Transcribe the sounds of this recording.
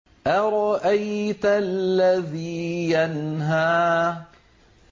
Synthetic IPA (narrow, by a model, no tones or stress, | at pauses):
ʔaɾˤɑʔajt̪allːaðiːjanɦaː